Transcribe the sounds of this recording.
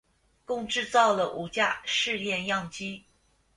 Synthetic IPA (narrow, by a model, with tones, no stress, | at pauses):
kʊ˥˧ŋʈ͡ʂɻ̩˥˧t͡sɑ˥˩ʊlə˩ʔu˨˩t͡ɕja˥˧ʂɻ̩˥˧ljɛ˥˧njɑ˥˩ŋt͡ɕi˥